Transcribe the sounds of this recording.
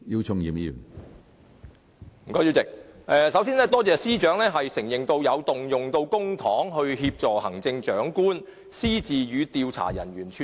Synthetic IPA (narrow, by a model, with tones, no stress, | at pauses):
ji˧wt͡sʰʊ˧ŋjiː˨˩mjḭ˨˩m | m̩˨˩kɔː˥˧˥jiː˧wt͡sɪ˨k̚ʔɛː˨˧sɐ˨˥wsiː˥nlɛː˥t̪ɔː˥t͡sɛː˨siː˥t͡ʃœː˨˥ŋlɛː˥ɦɐ˨jsɪ˨˩ŋjɪ˨ŋt̪o˧wjɐ˨˧wt̪ʊ˨ŋjʊ˨˩ŋt̪o˧wkʊ˥ŋt̪ʰɔː˨˥ŋɦɵ˧ɥɦiː˧p̚t͡sɔː˨hɐ˨˩ŋt͡sɪ˧ŋt͡ʃœː˨˥ŋkuː˥n | siː˥t͡siː˨jyː˨˧t̪iː˧wt͡sʰa̰ː˨˩jɐ̰˨˩nɥyː˨˩nt͡ʃʰy˨